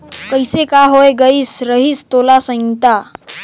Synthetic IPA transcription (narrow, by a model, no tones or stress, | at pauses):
kəjsekaɦojɡəisɾəɦiːst̪olasə̃ŋt̪a